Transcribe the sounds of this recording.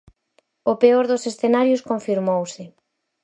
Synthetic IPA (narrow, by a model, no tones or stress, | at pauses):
opeoɾðʊsesθenaɾjʊskõɱfiɾmowsɪ